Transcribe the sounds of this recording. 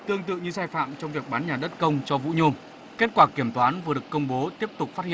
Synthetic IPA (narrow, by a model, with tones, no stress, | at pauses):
t̪ɨ˧əŋt̪ɨ̰˧˨ɲɨ˧saː˧jfa̰ː˧˨mt͡ɕɔ˧wŋ͡mvi˨˩ək̚ɓaː˨˦nɲaː˨˩ɗə˦˥t̚kə˧wŋ͡mt͡ɕɔ˧vṵ˧˥ɲo˧m | ke˦˥t̚kwaː˧˩ki˧˩əmt̪waː˨˦nva˨˩ɗɨ˨˩əkːə˧wŋ͡mɓo˨˦t̪i˦˥əp̚t̪ʊ˨˩k͡p̚faː˦˥hḭ˧˨